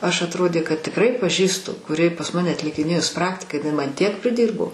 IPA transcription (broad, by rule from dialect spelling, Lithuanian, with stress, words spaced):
ˈɐʃ ɐtˈroːdʲeː kɐt tʲɪkˈrɐɪ pɐˈʒʲiːstʊ kʊˈrʲɪ pɐs ˈmɑːnʲɛ ɐtʲlʲɪkʲɪˈnʲeːjʊs ˈprɑːktʲɪkɐ jɪˈnɐɪ ˈmɐn ˈtʲiɛk pʲrʲɪˈdʲiːrboː